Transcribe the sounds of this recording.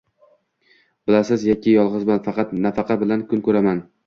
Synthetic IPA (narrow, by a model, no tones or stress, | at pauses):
bɪlasɪzjɒkʲʰɪjɒlˠʁɨzbɪanfɑqʰɑt̪nafɑqʰɑbɪlankʰʊnkʰɵɾaman